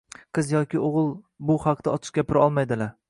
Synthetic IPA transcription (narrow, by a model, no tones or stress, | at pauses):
qʰɨzjɒkʲʰɪoʁɨlˠ | bʊhɑqd̪aɒt͡ʃ̪ʰɪ̥ʃɡʲapʰɪɾɒlˠmajd̪ɪlaɾ